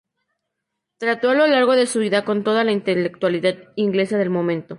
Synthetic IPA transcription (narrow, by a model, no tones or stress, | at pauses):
t̪ɾat̪o̞alo̞laɾɣo̞ðe̞suβiðako̞nt̪o̞ð̞alaint̪elek̚t̪waliðaðiŋɡle̞sað̞e̞lmõ̞mẽ̞nt̪o̞